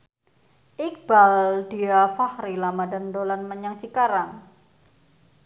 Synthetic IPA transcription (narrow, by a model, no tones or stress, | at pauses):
ʔik̚b̥aldiafahɾilamadandolanməɲaŋt͡ʃikaɾan